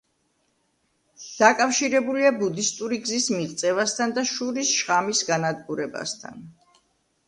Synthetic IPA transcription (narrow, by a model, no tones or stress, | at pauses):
d̪̥akʼafʃiɾɛbuliabud̪ist̪ʼuɾiɡzismiʁt̪sʼɛvast̪ʰand̪aʃuɾisʃχamisɡanad̪ɡuɾɛba̰st̪ʰa̰n